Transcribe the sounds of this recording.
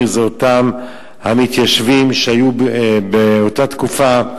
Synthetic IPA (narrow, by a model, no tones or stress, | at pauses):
zeotam | hamit̪jaʃvimʃeajubeotat̪kufa